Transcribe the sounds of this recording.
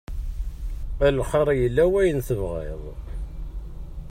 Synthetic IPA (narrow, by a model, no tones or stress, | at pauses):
ælχɑɾˤjəlːæwæjənθəvʁḛðˤ